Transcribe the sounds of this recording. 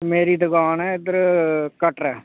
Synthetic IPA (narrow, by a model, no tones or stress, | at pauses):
meːɾiːd̪əɡaːnɛːɪd̪əɾkəʈɾɛː